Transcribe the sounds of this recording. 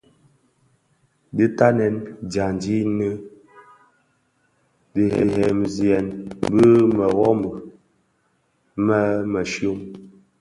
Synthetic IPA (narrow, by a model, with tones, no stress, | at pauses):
di˦ta˦nɛ˨nd͡ʒja˨nd͡ʒi˦nɨ˦ | di˨hɛ̰˨hɛ˨m˨zi˨ɛ˨nbə˦mə˨wɔ˦mbə˨ | mə˦mə˨ʃjo˦m